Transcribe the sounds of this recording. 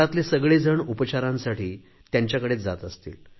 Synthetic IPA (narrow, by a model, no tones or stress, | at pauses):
at̪lesəɡɭed͡zəɳupət͡ɕaɾãnsaʈʰiː | t̪jaɲt͡ɕjakəɽet͡sd͡zat̪əst̪ḭːl